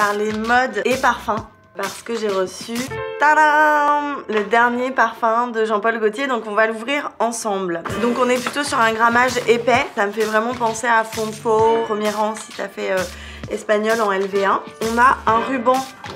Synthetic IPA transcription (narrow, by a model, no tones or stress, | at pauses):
paʁlemɔd̪epaʁfɛ̃ | paʁsə̥kəʒeʁəsyt̪aɾamləd̪ɛʁnjepaʁfɛ̃d̪əʒɑ̃pɔlɡot̪jed̪ɔ̃kɔ̃valuvʁiʁɑ̃sɑ̃bld̪ɔ̃kɔ̃nɛplyt̪osyʁɛ̃ɡʁamaʒepɛsaməfɛvʁɛmɑ̃pɑ̃seafɔ̃fopχəmjɛʁɑ̃si̥t̪yafɛø | ɛspaɲɔlɑ̃ɛlveaɔ̃naɛ̃ʁybɑ̃